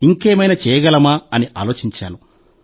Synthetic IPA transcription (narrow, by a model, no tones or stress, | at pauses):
iŋkeːmɐjnɐt͡ʃɛːjɐɡɐlɐmaːɐniʔa̰ːlo̞ːt͡ʃiɲt͡ʃa̰ːnu